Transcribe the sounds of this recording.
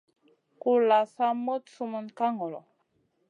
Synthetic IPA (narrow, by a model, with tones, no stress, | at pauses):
ku˨la˨sa˦mo˦tsu˦mə˦nka˦ŋɔ˨lɔ̰˨